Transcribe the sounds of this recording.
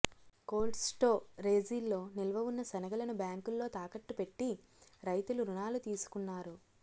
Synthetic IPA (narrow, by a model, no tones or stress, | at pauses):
ko̞ːlɖsʈo̞ːɾe̞ːd͡ʒiːlːo̞ːnilɐʋɐʋunːɐsɐnɐɡɐlɐnubjaːŋkulːo̞ːt̪aːkɐʈːupe̞ʈːi | ɾɐjt̪uluɾunaːlut̪iːsu̥kunːaːɾu